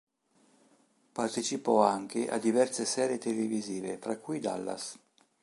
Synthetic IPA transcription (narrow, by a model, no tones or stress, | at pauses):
part̪et͡ʃipɔaŋk̟eʔa̰d̪ːivɛrsesɛːɾet̪eleviziːvefɾakːujd̪a̰lːa̰s